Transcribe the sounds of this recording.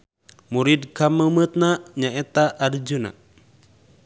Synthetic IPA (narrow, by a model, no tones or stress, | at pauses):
muɾid̚kaməmət̪̚naɲaɛt̪aʔːdd͡ʒuna̰